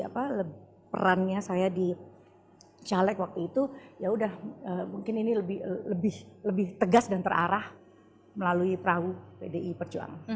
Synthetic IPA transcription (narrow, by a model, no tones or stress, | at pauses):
a̰paləb | pə̰ɾanɲasajadi | t͡ʃalɛkwak̚t̪uit̪ujaudahəmuŋkɪniniləbɪləbɪhləbɪht̪əɡasdant̪əra̰ɾah | məlaluipəɾaɡupedeʔipərd͡ʒua̰ŋ